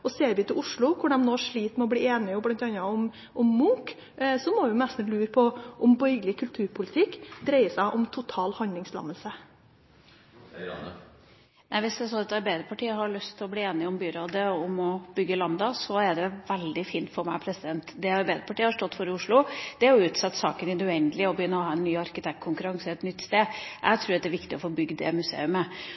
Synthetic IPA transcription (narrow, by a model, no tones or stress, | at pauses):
ɔseːɾʋɪt̪ɪlʊʂɭʊkʰʊɖɛmnoːʂɭiːt̪mɛɔbliːeːnɪɔblɑnt̪ɑnɑɔm | ʔɔmːʊŋk | sɔmɔʋɪʊnɛst̪n̩lʉːɾpʰɔʔɔmbɔʏɡəlɪkʰʉlt̪ʰʉːɾpʰʊlət̪ʰɪkːd̪ɾæɪəsæɪʔɔmt̪ʰʊt̪ʰɑːlhɑnd̪lɪŋslɑ̰məlsə | næɪʋɪsd̪ɛɛɾsɔnɑt̪ɑɾbæɪd̪əpʰɑʈʰiːəɦɑɾɭœst̪ʰːɪlɔbliːeːnɪɔmbyːɾoːd̪əɔmɔbʏɡːəlɑnd̪ɑsɔæɖɛʋɛld̪ɪfiːnt̪fɔɾmæ̰ɪpʰɾɛsɪd̪ɛnt̪d̪ɛɑɾbæɪd̪əpʰɑʈiːəhɑɾʂʈɔt̪ːfɔɾəʊʂɭʊd̪̥ɛæɾjʊʉːt̪sɑt̪ːsɑ̰ːkənɪd̪ʉɛnd̪əlɪɔbjʏnːəɾɔhɑːɛnːyːɑɾkət̪ʰɛkt̪kʰʊŋkʉɾɑŋsəɛt̪nʏt̪ːst̪eːʔæ̰ɪt̪ʰɾʉːɾɑt̪d̪ɛɾʋɪkt̪ɪɔfoːbʏɡd̪ɛ̰mʉsḛːʉmə